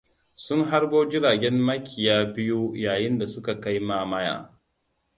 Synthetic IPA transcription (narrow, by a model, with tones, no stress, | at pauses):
sʊ˦ŋɦa˦rboː˦d͡ʒɪ˦ɽaː˨ɡʲɛ˦mːɐ˦kʲɪ˨jaː˦bɪ˦ju˦jaː˨jɪ˦nda˨sʊ˦ka˨ka˦jmaː˦mɐ˦ja̰ː˨